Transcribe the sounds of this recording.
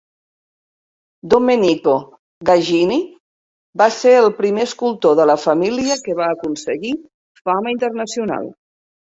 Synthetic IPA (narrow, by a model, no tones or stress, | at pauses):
d̪ominiko | ɣaʒini | baseɾəlˠpɾimeəskulˠt̪oðələfəmiliəkəβ̞aːkunsəɣi | faməint̪ərnəsiuna̰lˠ